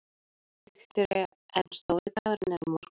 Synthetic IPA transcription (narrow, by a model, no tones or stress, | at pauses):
ɛxt̪ʏɾɪ | ɛnst̪owɾɪt̪aɣaɾnɛɾmɔɾ̥k